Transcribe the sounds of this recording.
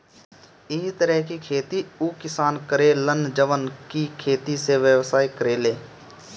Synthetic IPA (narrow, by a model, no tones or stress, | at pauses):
ɪɦit̪əɾəɦkikʰeːt̪iuːkɪsaːnkəɾelənd͡ʒəʋənkikʰeːt̪iseʋjəʋsaːikəɾeːleː